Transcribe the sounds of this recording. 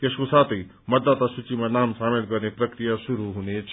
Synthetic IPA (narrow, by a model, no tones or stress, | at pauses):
keɕʋusat̪e | mɐd̪ːat̪asut͡ɕimənaːmsamelkəɾnepɾɐkɾijasuɾuɦunet͡ɕ